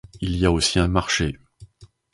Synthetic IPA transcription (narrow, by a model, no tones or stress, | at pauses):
iliaosiɛ̃maʁʃe